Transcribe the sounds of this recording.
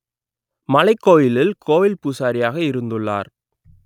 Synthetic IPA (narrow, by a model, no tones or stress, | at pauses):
mɐlɐɪkːoːjɪlɪlkʰoːjɪlpuːsaːɾɪjaːɣɐɪɾɯnd̪ɯɭːa̰ːɾ